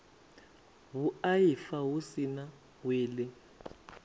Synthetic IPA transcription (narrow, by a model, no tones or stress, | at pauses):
wuajifawusina | weːlɪ